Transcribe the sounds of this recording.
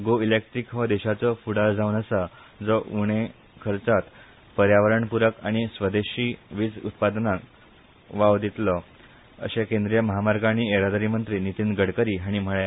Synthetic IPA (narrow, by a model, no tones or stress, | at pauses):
ɡoilek̚ʈɾikʋəd̪eɕat͡sɔfuɽald͡zaunəsa | d͡zɔʔuɽ̃e | kʰəɾt͡sat̪ | pəɾjaʋəɾəɳpuɾəkaɽ̃isʋəd̪eɕiːʋid͡zṵt̪pad̪nak | ʋaʋd̪it̪lɔ | ə̰ɕekẽnd̪ɾijəməɦamaɾɡañieɾad̪aɾiːmənt̪ɾiːnit̪inɡəɽkəɾiːɦaɽ̃im̤əɭe